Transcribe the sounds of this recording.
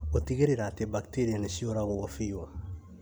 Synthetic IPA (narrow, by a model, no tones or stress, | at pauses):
otiɡeɾiɾatebakteɾianesijoɾaɣuofijo